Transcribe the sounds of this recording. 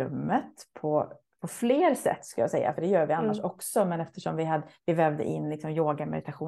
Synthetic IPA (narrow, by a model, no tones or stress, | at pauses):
ɵ̰mːət̪pʰɔ | pʰɔfleːɾsɛ̰t̪ːskɵljaːsɛ̰jːa̰fœɖɛjœːɾvɪanːaʂɔksɔmɛnɛft̪əʂɔmvɪhad̪vɪvɛːvd̪ə̰ʔɪnːlɪksɔmjoːɡamɛ̰d̪ɪt̪aɧuː